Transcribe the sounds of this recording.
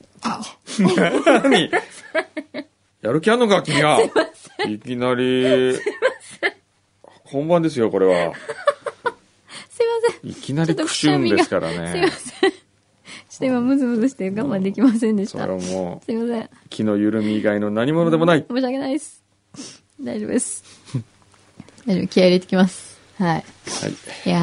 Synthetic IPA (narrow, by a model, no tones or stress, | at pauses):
a | aɲi | jaɾɯ̟k̬ʲianːokakʲimʲiɡasimasẽikʲinaɾʲimase | hõ̞mbãnd̪e̞s̬ɨjo̞ko̞ɾe̞βa̰ | sɨimasẽḭkʲinaɾʲik̪ɯ̥ɕĩnmd̪esɨ̥kaɾa̰ne̞sɨimasẽ | ɕi̥t̪ẽmamɯ̟zɨmɯzɨɕi̥t̪eɡãmbãnd̪e̞kʲimasẽnd̪eiso̰a̰ɾemo̰sɨɾʲimasẽkʲʰino̞jɯ̟ɾɯ̟mʲiɡaino̞naɲ̟imo̞no̞d̪e̞mo̞naimoːɕ̬iakenaiesɨ̥ | d̪aid̰d̪esɨ̥ | aɾakʲiaiɾet̪ekʲimasɨ̥ | haiha̰ija